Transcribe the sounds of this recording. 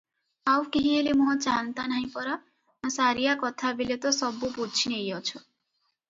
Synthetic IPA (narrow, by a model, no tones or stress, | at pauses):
awkeɦielemʌt͡saɦʌnt̪anaĩpʌɾʌ | saɾijakʌt̪ʰabilet̪ʌsʌbːuput͡sʰinejʌt͡sʰu